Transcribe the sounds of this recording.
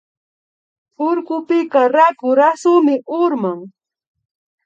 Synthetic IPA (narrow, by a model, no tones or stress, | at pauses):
ʊɾkʊpɪkaɾakʊɾasʊmɪʔʊɾmaŋ